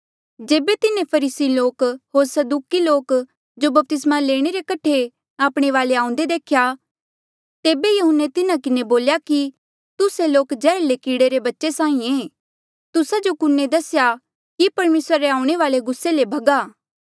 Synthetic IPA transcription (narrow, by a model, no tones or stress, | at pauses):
d͡ʒeːbet̪ɪnẽpʰɐɾiːsiloːkɦoːɾsɐd̪uːkiloːk | d͡ʒobɐp̚t̪ɪsmaleːɽ̃eɾekɐʈʰe | aːpɽ̃eʋaːleãːʊ̃nd̪ed̪eːkʰja | t̪eːbejɐɦʊnːet̪ɪnãkɪneboːljaki | t̪ʊseloːkd͡ʒɛːɾlekiːɽeɾebɐtːʃesãːĩẽː | t̪ʊsad͡ʒokʊnːed̪ɐsja | kipɐɾmeːsɾaɾeaːʊ̃ɽ̃eʋaːleɡʊsːelebʱɐɡaː